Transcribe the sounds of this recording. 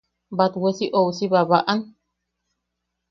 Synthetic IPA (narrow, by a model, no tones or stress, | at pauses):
bat̪wesiʔowsiβaβaʔan